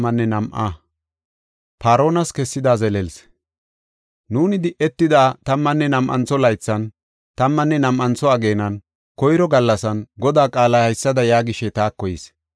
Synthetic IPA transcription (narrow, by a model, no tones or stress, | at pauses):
ɐnːɛnɐmʔa̰ | paːɾo̞ːnɐskɛsːɪd̪aːzɛlɛls | nuːnɪd̪ɪʔɛt̪ːɪd̪aːt̪ɐmːɐnːɛnɐmʔɐ̰nt͡sːɔlɐjt͡sːɐn | t̪ɐmːɐnːɛnɐmʔɐnt͡sɔɐɡe̞ːnɐn | kɔjɾɔɡɐlːɐsɐnɡɔd̪aːkʼaːlɐhɐjsːɐd̪ɐjaːɡɪʃɛt̪aːkːɔjɪs